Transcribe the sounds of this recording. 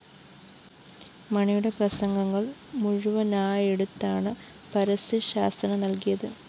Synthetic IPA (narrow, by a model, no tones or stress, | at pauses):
mɐɳijuɽe̞prɐsɐŋɡɐŋːɐɭmuɻuʋɐnaːjeɽut̪ːaːɳɨ | pɐɾɐsɨɕaːsɐnɐnɐlkijɐðɨ